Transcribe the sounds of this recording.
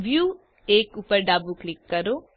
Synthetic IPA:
bjuː | eːkuːpəɾɖaːbuklɪkːɐɾoː

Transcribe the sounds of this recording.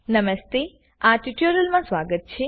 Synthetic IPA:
nəməst̪e | aʈiʈjəɾəlmãsʋaɡət̪̚t͡ʃʰe

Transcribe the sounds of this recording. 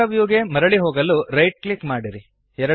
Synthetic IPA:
ɐʋjuːɡemɐɾɐɭiɦoːɡɐlːuɾɐjʈ̚klikmaːɽiɾi | ɛɾɐ

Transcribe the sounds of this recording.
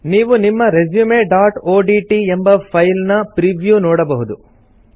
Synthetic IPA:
niːʋunimːɐɾed͡ʒjumeɖaːʈoːɖiːʈiembɐpʰɐjlnɐpɾiʋjunoːɽɐbɐɦud̪u

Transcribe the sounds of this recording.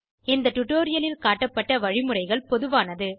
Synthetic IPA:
ɪnd̪ɐʈʊʈoːɾɪjɐlɪlkaːʈːɐpːɐʈːɐʋɐɻɪmɯrɐɪɣɐɭpɔðɯʋaːnɐðɯ

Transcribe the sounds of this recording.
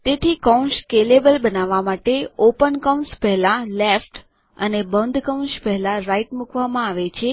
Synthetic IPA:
t̪et̪ʰikə̃ʃkelebəlbənaʋamaʈeopənkəwnspɛɦlalefʈ | ənebənd̪ʱkəw̃ʃpɛɦlãɾaiʈmukʋamãaʋet͡ʃʰe

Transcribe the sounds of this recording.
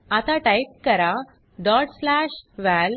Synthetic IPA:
at̪aʈajp̚kəɾa | ɖ̪ɔʈslaɕʋæl

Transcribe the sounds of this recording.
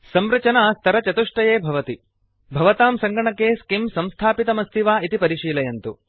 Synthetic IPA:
sɐmɾɐt͡ʃɐnaːst̪ʰɐɾɐt͡ʃɐt̪uʂʈɐjeːbʱɐʋɐt̪i | bʱɐʋɐt̪aːmsɐŋɡɐɳɐkːeːskimsɐmst̪ʰaːpit̪ɐmɐst̪iʋaːit̪ipɐɾiʃiːlɐjɐnt̪u

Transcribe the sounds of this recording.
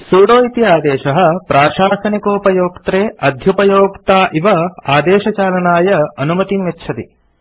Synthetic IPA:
suːɽoːit̪ijaːd̪eːʃɐɦɐ̆pɾaːʃaːsɐnikoːpɐjoːkt̪ɾeːʔɐd̪ʱjɐpɐjoːkt̪aːʔiʋɐaːd̪eːʃɐt͡ʃaːlɐnaːjɐɐnumɐt̪imʋɐtːt͡ʃʰɐt̪i

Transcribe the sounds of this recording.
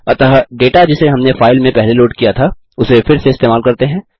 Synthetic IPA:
ɐt̪aɦɖeːʈad͡ʒɪseɦɐmnefaːɪlmẽpɛɦleloːʈkijat̪ʰa | ʊsefɪɾseɪst̪eːmaːlkɐɾt̪eɦɛ̃ː

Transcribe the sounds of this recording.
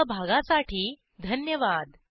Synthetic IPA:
bʱaɡãsaʈiː | d̪ʱənjəʋad̪

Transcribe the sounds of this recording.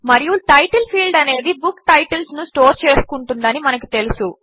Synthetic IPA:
mɐɾijuʈɐjʈɐlpʰiːlɖɐne̞ːd̪ibukʈɐjʈɐlsnusʈo̞ːɾt͡ʃe̞ːskuɳʈund̪ɐnimɐnɐkit̪e̞lusu

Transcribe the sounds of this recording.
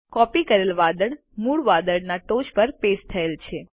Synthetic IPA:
kɔpikəɾelʋad̪əɽ | muɭʋad̪əɽnaʈoʃpəɾpest̪ʰəelt͡ʃʰe

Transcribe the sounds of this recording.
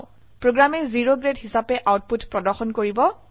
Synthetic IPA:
pɹoɡɹamɛziɹoɡɹedɦisapɛʔawt̚putpɹɔdɔɹxɔnkoɹibɔ

